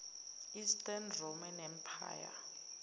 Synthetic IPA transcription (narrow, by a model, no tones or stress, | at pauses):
istʼɛnrɔmɛnɛm̩pʰa̰ːja̰